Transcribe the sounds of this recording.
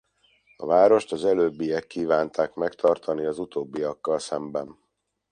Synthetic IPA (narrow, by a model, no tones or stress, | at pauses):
ɒvaːɾo̞ʃt̪ɒzɛløːbːijɛkːiːvaːnt̪ʰaːkmɛkt̪ʰɒrt̪ʰɒniɒzut̪oːbːiɒkːɒlsɛmbɛn